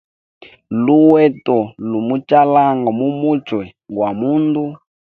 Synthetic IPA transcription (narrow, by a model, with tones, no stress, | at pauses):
lu˦wɛ˦tɔ˨lu˨mu˦t͡ʃa˦la˦ŋɡa˨mu˦mu˦t͡ʃwɛ˨ | ɡwa˨mu˦ndu˦